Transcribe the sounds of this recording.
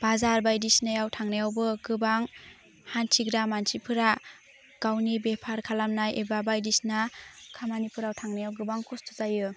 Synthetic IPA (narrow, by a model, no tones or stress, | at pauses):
b̥azaɾbajdisnajawtʰaŋnajawbɯɡɯbaŋ | hansʰiɡɾamansʰipʰɯɾa | ɡ̥awnibepʰaɾkʰalamnajebabajdisnakʰamanipʰɯɾawtʰaŋnajawɡɯbaŋkʰɔstʰu̥zajɯ